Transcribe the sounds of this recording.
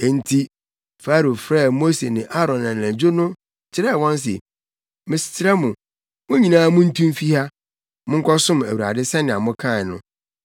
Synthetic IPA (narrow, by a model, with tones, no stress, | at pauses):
e˨n̩˦tʰi˦ | fa˦ɾo˨fɾɛ˦˨mo˦se˨nɪ̃˨ʔa˦ɾɔ̃˨nːã˨n˨æ̃˨d͡ʑo˦nʊ̃˦ | t͡ɕʰɪ˦ɾɛ˦˨wɔ̃˦ns̬ɪ̰˨ | mɪ̃˨sɪ̥˨tʰɪ˦ɾɛ˦mʊ̃˨ | mʊ̃˦ɲĩ˨nãː˦mʊ̃˦n̩˦tʰũ˦m˦fi˦ha˦ | mʊ̃˦ŋ̩˦kɔ˦sʊ̃˦m˨æ̰˨wu˨ɾa̰˨dɪ˦sɛ̃˦nɪ̃˨a˨mʊ̃˦kʰã˦˨nʊ̰̃˦